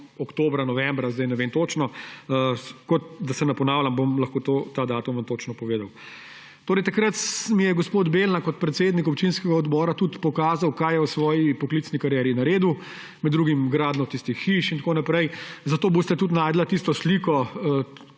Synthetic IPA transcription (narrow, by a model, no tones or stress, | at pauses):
ɔkt̪oːbɾanɔʋɛmbɾazd̪ajnɛʋent̪oːt͡ʃnɔ | kɔt̪̚d̪asɛnɐpɔnaːwlʲambomlɐxkoːt̪ot̪ad̪aːt̪umʋant̪oːt͡ʃnɔpɔʋeːd̪aw | t̪oːɾɛjt̪akɾət̪mijɛɡɔspoːd̪belnakɔt̪̚pɾɛt̪seːd̪nikɔp̚t͡ʃinskɛɡaɔd̪bɔːɾat̪ut̪pɔkaːzawkaːjjɛwsʋɔːjipɔkliːt̪snikaɾjɛːɾinaɾeːd̪u | mɛd̪dːɾuːɡimɡɾaːd̪nɔt̪ist̪ixːiʃint̪akonapɾɛjzɐt̪oːbost̪ɛt̪ut̪naːjd̪lat̪ist̪ɔsliːkɔ